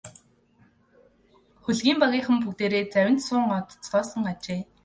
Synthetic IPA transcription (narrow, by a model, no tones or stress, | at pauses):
χuɮɣiːmpaɣʲiːχə̆mp̬ukt̪eːɾeːt͡sæwʲɪ̆nt̪sʊːŋɔt̪t͡sχɔːsə̆ŋɢat͡ɕeː